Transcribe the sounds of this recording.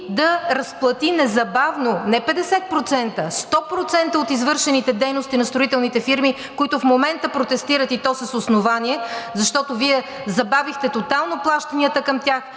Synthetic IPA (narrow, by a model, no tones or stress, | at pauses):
d̪ɐɾɐsplˠɐt̪inɛzɐbavnonɛpɛd̪ɛsɛt̪̚pɾot̪sɛnt̪əst̪ɔpɾot̪sɛnt̪əot̪izvɤɾʃɛnit̪ɛd̪ɛjnost̪inɐst̪ɾoit̪ɛlˠnit̪ɛfiɾmi | koit̪ʊfmomɛnt̪əpɾot̪ɛst̪iɾət̪it̪ɔsəsosnovaniɛzɐʃt̪ɔt̪oviɛ | zɐbavixt̪ɛt̪ot̪alˠnoplˠaʃt̪ɐniət̪əkɐmt̪ʲjax